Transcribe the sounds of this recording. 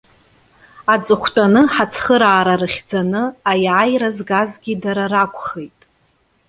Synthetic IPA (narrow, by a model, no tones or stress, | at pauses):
at͡sʼɨχʷtʷʼanɨħat͡sʰχəɾaːɾaɾɨχʲd͡zanɨajʕajɾazɡazɡʲidaɾaɾakʷʰʼχejtʼ